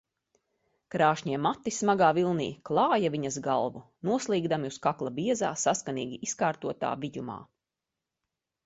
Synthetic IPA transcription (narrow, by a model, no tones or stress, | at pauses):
kɾaːʃɲiɛmat̪ːismaɡaːvilˠnḭːklˠɑːjaviɲɐzɡalˠvunuɔslˠiːɡd̪amiuskaklˠabiɛzaːsaskanḭːɡʲiiskaːɾt̪uɔt̪a̰ːviɟuma̰ː